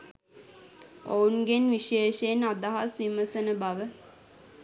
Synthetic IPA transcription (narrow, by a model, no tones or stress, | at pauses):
ounɡenʋiʃeːʃenad̪aɦasʋiməsənəbaʋə